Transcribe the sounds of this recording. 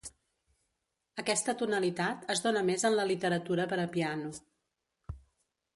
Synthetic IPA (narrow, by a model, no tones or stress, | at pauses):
əkɛst̪ət̪unəlit̪at̪əzdonəmezənləlit̪əɾət̪uɾəpəɾəpianu